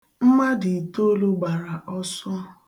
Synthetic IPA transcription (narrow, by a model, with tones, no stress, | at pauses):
m̩˦ma˦dɪ˨to˦lo˦ɡ͡ba˨ɾa˨ʔɔ˦sɔ˦